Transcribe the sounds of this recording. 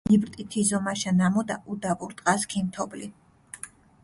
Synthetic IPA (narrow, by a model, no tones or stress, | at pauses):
ibɾt̪ʼit̪ʰizɔmaʃanamɔd̪aʔud̪avuɾt̪ʼqʼaskʰimt̪ʰɔbli